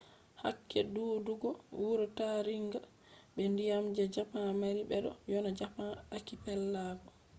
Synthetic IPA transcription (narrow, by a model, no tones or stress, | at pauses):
ha̰kːɛduːduɡɔwuɾɔtaɾiŋɡa | ɓɛndijamd͡ʒɛd͡ʒapamaɾiɓɛɗɔ̰jɔnad͡ʒapaakipɛlːaɡɔ